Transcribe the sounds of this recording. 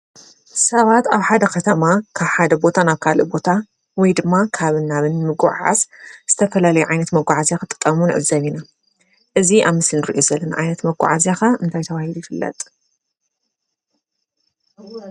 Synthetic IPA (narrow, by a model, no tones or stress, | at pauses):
sɐβat̪aβħad̪ɐkʰɐt̪ʰɐmakʰaβħad̪ɐbo̞t̪ʰanaβkʰalɨ̰bo̞t̪ʰa | wɔjd̪ɨmːakʰaβɨnːaβɨnmɨɡṵʕa̰zz̥ɨt̪ʰɐfɐlalɐjuʕajnɐt̪mɐɡʷaʕazjakɨt̪ʼːɨ̥t̪ʼːɐmunɨ̰ʕɨ̰βzɐnina | ʔɨziʔaβmɨsnɨɾḭʔo̞zɐlːɐnaʕa̰jnɐt̪mɐɡʷṵʕazjaxaɨnt̪ʰajt̪ʰɐβahilujɪfɨlːɐ̰t̪ʼ